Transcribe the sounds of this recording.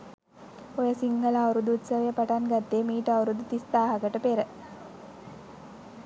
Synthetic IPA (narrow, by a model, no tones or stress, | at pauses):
ojəsiŋɡəlawɾud̪uut̪səʋəjəpaʈanɡat̪ːeːmiːʈəawɾud̪ut̪ist̪aːɦaɡəʈəpeɾə